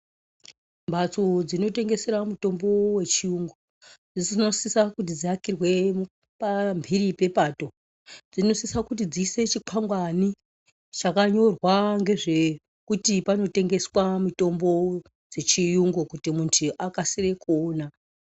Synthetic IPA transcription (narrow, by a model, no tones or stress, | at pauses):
mbʱat͡sod͡zino̞te̞ŋɡe̞seɾamuto̞mbo̞we̞t͡ʃijuŋɡo | d͡zisno̞sisakut̬id͡ziakirwe̞ | pambʱiɾipe̞pato̞ | d͡zino̞sisakut̬id͡ziːse̞t͡ʃiǃʰaŋɡwani | t͡ʃakaɲo̞rwaŋɡe̞ʐe̞ | kutipano̞te̞ŋɡe̞swamuto̞mbo̞ | d͡ze̞t͡ʃijuŋɡokutimuntʰuʔakasire̞koːna